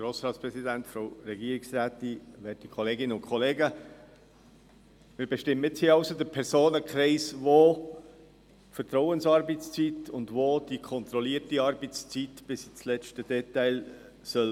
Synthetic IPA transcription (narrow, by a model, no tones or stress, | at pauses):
ɡ̥ɾoːsɾɑːtspɾɛsidæntfɾoʊɾɛɡiəɾiksɾæːtiʋɛːtikʰχɔleːɡɪnəʊnkχɔleːɡə | mɪːɾbɛʃtɪmːəɪt͡shiːɑʊsod̪əpʰɛɾsoːnəkχɾɛɪsvo | tfəɾtɾɔʊənsɑɾbɛt͡st͡sit̪ʊndvod̥ikʰɔnt̪ɾɔliːətiɑɾbɛt͡st͡sitb̥ɪsit͡slɛt͡ʃtəd̥ɛtæɪl | sœl